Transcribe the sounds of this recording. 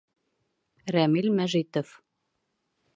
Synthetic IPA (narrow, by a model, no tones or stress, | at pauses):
ræmilmæʒit̪of